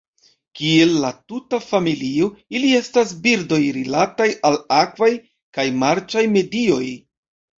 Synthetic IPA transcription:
kie̞lːatutafamilioilie̞stasbiɾdo̞jɾilatajalakvaj | kajmaɾt͡ʃajme̞dio̞j

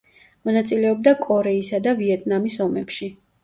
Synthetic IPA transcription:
mɔnat̪sʼilɛɔb̚d̪akʼɔɾɛisad̪aviɛt̪ʼnamisɔmɛpʃi

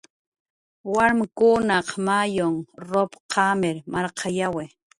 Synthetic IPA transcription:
waɾmkʊnɑqmajoŋɾopqʰɑmɪɾmaɾqʰɑjawe

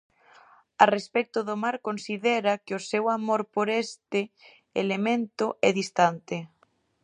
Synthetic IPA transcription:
arespɛk̚t̪ʊðomaɾkonsiðɛɾakɪosewamoɾpoɾɛst̪ɪ | ḛlemẽnt̪ʊʔɛðist̪ant̪ɪ

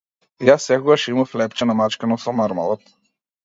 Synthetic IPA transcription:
jasːɛkoɡaʃimaflɛpt͡ʃɛnamat͡ʃkənɔsɔmaɾma̰lˠɔt̪

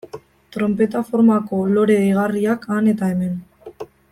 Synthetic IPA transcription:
t̪ɾo̞mpe̞t̪afo̞ɾmako̞lo̞ɾe̞iɣ̞ariakane̞t̪ae̞me̞n

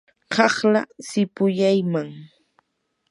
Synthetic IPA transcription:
kɑχla̰sɪpʊjajmaŋ

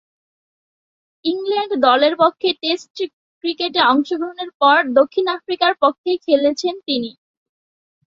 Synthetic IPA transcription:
iŋlɛɳɖd̪ɔleɾpokʰːeʈesʈ | kɾikeʈeɔŋʃoɡɾoɦoneɾpɔɾd̪okʰːinafɾikaɾpokʰːekʰelet͡ɕʰent̪ini

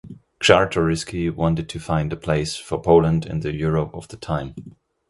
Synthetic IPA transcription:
t͡ʃɑɹtʰɔɹɪskiwɑ̃ntɨd̚tʰɨfãɪ̃ndɨpʰl̥eɪsfə˞pʰoʊlə̃ndɪ̰̃nðɨjʊɹopʌvðətʰãɪ̃m

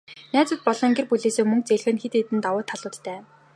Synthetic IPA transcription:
næːt͡sʊːt̪̚pɔɮɞ̆ŋɡerpuɮeːseːmɵŋk̚t͡seɮ̆xɘ̆nxet̪eːt̪ɘ̆nt̪awʊːt̪ʰːaɮʊːɮt̪æː

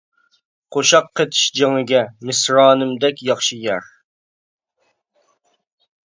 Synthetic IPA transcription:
qʰoʃɑqʰːet̪ʰɪ̥ʃd͡ʒeŋɨɡʲɛmɪsɾɑːnɨmd̪ɛkʲjɑχʃɨjɛɾ

